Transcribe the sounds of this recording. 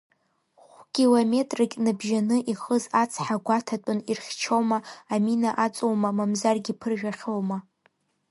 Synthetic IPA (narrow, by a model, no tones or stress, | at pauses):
χʷkʲʼilome̞tʼrikʲʼnɨbʒanɨʔiχəzat͡sʰħaɡʷatʰatʼʊnirχʲt͡ʃʰowmaːminaʔat͡sʷʼowmamamzarɡʲipʰɨrʒᶣaχʲowma